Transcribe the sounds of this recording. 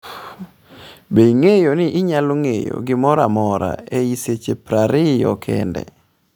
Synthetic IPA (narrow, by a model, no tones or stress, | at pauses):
beŋejonɪʔɪɲalʊŋḛjo̰ɡɪmɔɾamɔɾa̰eiset͡ʃepɾaɾɪjɔ̰kʰɛ̰ndɛ̰